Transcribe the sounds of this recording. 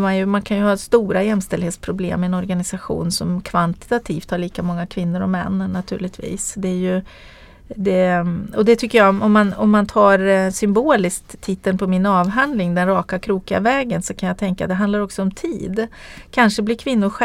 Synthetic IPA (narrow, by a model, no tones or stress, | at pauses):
manjɵmankʰanjɵhɑːst̪uːɾajɛmst̪ɛld̪heːt̪spʰɾʊblḛːmːɛɛnɔɾɡanɪsaɧṵːnsɔmkʰvant̪ɪ̥t̪at̪ʰiːft̪haɭiːkamɔŋːakʰvɪnːʊɾɔ̰mːɛ̰nːənːat̪ʰʉ̟ːɭɪt̪ʰvḭːsd̪ɛjɵ | d̪ɛɔd̪ɛt̪ʰʏkːəjaɔmɔmːanɔmːant̪ʰɑːɾsʏmboːlɪskt̪ʰːɪt̪ːənpʰɔmɪnɑːvɦand̪lɪŋd̪ɛnɾɑːkakʰɾuːkɪa̰vɛːɡənsɔkʰanjaːt̪ʰɛŋkad̪ɛɦand̪laɾɔksɔɔmt̪ʰiːd̪kʰanʂəblɪɾkʰvɪnːʊɧɛ